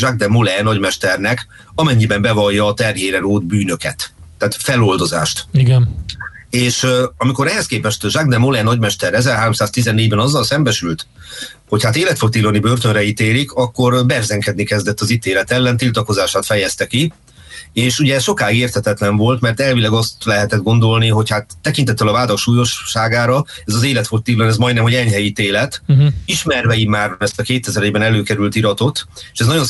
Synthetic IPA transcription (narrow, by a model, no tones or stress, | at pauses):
ʒaɡ̚d̪ɛmolɛnɒɟmɛʃt̪ɛrnɛk | ɒmɛɲːibɛmbɛvɒjːɒːt̪ɛrɦeːɾɛnoːd̪byːnø̞kɛ̰t̪ː | aːt̪fɛlo̞ld̪o̞za̰ːʃt̪iɡɛn | eːʃɒmiko̞ɾɛɦɛskeːpɛʃt̪ʒaɡ̚d̪ɛmolɛnɒɟmɛʃt̪ɛɾɛzɛrɦaːɾo̞msaːst̪izɛnːeːɟbɛnɒzːɒlsɛmbɛʃylt̪ | ho̞chat̪eːlɛt̪fo̞kt̪ilonibø̞rt̪ø̞nrɛit̪eːlikɒkːo̞rbɛrzɛŋkɛd̪nikɛzd̪ɛt̪ːɒzit̪eːlɛt̪ɛlːɛnt̪ilt̪ɒko̞zaːʃaːt̪fɛjɛst̪ɛki | eːʃuɟɛːsʃo̞kaːiɡeːrt̪ʰhɛt̪ɛt̪lɛɱvo̞lt̪mɛrt̪ɛlvilɛɡɒst̪lɛɦɛt̪ɛd̪̚ɡo̞nd̪o̞lniɦo̞chat̪ːɛkint̪ɛt̪ːɛlɒvaːd̪ɒkʃuːjo̞ʃːaːɡaːɾɒɛzɒzeːlɛt̪fort̪ːiːlonɛzmɒjd̪nɛmɦo̞ɟɛɲɦɛjit̪eːlɛt̪iʃmɛrvɛimːaːrɛst̪ɒkeːt̪ɛzɛɾɛɟbɛnɛløːkɛɾylt̪iɾɒt̪o̞t̪eːʃɛznɒɟo̞n